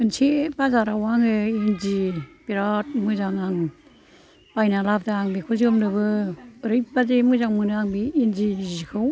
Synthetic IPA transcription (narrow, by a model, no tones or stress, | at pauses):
ɯnsʰibazaɾawaŋɯinzipiɾat̚mɯzaŋaŋ | pajnalap̚daːŋbikʰɯzimnɯbɯɾɯjbazemɯzaŋmɯnɯaŋbiːnzizikʰɯw